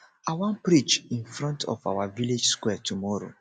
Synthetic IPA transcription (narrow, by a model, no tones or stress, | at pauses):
awɔ̃npɾit͡ʃĩnfɾɔ̃ntʰɔ̰fawaviled͡ʒskwɛtʰumɔɹo̰